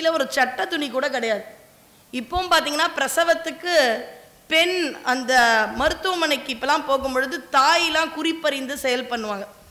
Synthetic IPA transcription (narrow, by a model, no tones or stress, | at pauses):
ɪlɐɔɾɯt͡ʃɐʈːɐt̪ʊɳikuːɽɐkɪɽɐjaːðɯ | ɪpːoːmpaːɾt̪iːŋɡɐnːaːpɪɾɐsɐʋɐt̪ːɯkːɯ | pɛɳɐnd̪ɐmɐɾɯt̪ːʊʋɐmɐnɐɪkːɯɪpːɐlːãːpoːɣɯmpɔɻɯðɯt̪aːjɪlãːkʊɾɪpːɐɾɪnd̪ɯsɛjɐlpɐɳːɯʋãːŋɡɐ